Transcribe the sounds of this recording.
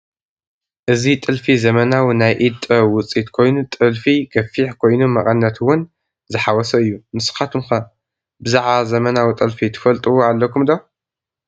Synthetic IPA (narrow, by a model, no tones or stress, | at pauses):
ʔɨzit̪ʼɨlfizɐmɐnawinajʔid̪ʼɐwʊt͡sʼit̪kʰo̞jnut̪ʼɨlfiɡɐfiħkʰo̞jnumɐkʼɐnːɐt̪ʰwʊn | zɨħawɔsɐɨjːumɨsɨ̥xat̪ʰɨmxɐ | bɨzaʕβazɐmɐnawit̪ʼɨlfit̪ʰɨ̥fɐlt̪ʼɨwoalːɐkʰumd̪o